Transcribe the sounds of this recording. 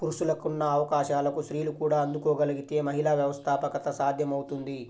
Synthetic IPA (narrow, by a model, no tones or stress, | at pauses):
puɾuʃulɐkunːɐːʋɐkaːʃaːlɐkuʃɾiːlukuːɽaːɐnd̪ukoːɡɐlɐɡit̪e̞ːmɐɦilaːʋjɐʋɐst̪ʰaːpɐkɐt̪ɐsaːd̪ʱjɐmɐwut̪und̪i